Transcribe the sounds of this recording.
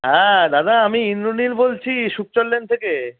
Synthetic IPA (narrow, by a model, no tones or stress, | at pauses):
ɦɛ̃d̪ad̪aamiinɾonilbolt͡ɕʰiʃuk̚t͡ɕolːent̪ʰeke